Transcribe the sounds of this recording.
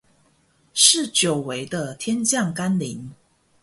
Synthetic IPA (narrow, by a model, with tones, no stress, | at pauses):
ʂɻ̩˥˨t͡ɕjo˨˩ʊwe˧˦ɪd̪ə˧t̪ʰjɛ˦˥nt͡ɕjɑ˥˨ŋka˦nli˨˧˦ŋ